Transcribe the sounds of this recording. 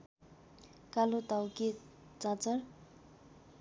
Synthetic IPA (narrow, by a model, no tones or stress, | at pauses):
kalot̪awke | t͡sãt͡sʌr